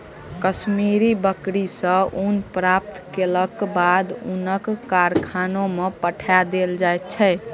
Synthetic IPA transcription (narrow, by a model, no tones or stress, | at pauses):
kəsmiɾibəkɾisə̃ʔunpɾap̚t̪keləkbad̪ṵnəkːaɾkʰanomepəʈʰad̪eld͡ʒajt̪̚t͡ʃʰɛ